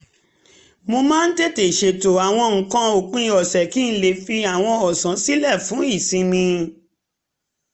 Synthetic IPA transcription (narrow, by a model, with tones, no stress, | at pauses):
mo˧mãː˦n̩˦te˦˨te˨ʃe˨to˨a˨w̃ɔ̃˧ŋ̩˨˦kã˦o˨k͡pũ˦ĩ˧ɔ˨sɛ˨ki˦n̩˦le˨fi˧a˨w̃ɔ̃˧ɔ˨sã˨˦si˦lɛ˦˨fũ˨˦i˦˨sĩ˧mĩ˧